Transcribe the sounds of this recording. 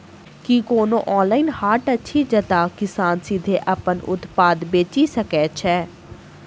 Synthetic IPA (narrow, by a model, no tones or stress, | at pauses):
kikoːnõ̰ːʔɔːnlaːinhaːʈətːʃʰiːd͡ʒət̪aːkɪsaːnsɪd̪ʱeːʔapənʊ̰t̪paːd̪beːt͡ʃiːsəkɛːt͡ʃʰɛː